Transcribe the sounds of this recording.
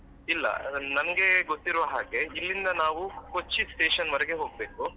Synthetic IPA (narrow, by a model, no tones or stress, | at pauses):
ilːɐ̰nɐmɐɡe̞ɡot̪ːiɾʋɐɦaːɡe̞ilːind̪ɐnaːʋukot͡ʃːisʈeːʃɐnʋɐɾɛɡe̞ɦo̞ːɡ̚be̞ːku